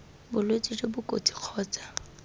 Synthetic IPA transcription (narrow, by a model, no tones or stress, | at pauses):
bʊlwet͡sʼid͡ʒɪbʊkʼo̰tʼi̥q͡χʰɔːt͡sʼḁ